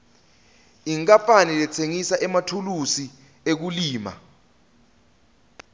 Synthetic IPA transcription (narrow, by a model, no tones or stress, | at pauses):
iŋkʼapʼanilɛt͡sʰeŋisaʔɛmatʰulusi | ek̬uliːma̰